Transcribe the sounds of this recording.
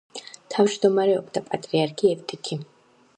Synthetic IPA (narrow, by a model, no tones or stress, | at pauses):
t̪ʰavd͡ʒd̪ɔmaɾɛɔbd̪apʼat̪ʼɾiaɾkʰiɛft̪ʼikʰi